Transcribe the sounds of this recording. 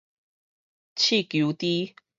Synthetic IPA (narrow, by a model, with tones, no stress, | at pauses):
t͡ɕʰi˥˨kju˨˦t̪i˦